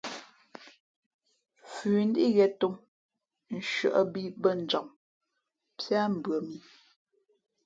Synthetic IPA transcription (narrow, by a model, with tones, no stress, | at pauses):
fʉː˨n̩˦di˦ɣɛ˨to˦ŋ | n̩˦ʃɰə̰˨ʔə˦bi˦bə˦˨n̩˨d͡ʒɔ˨ŋ | pja˦m̩˨bɰə˨mi˨